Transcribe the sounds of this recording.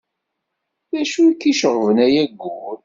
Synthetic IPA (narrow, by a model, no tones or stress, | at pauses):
ðæʃuikːiʃəʁˤvənæjæɡːuɾ